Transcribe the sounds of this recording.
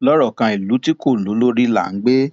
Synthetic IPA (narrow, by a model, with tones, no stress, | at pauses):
lɔ˦ɾɔ˦˨kã˧i˨lu˨˦ti˦ko˦˨lu˨˦lo˦ɾi˦la̰˦˨ŋ̩˦ɡ͡be˦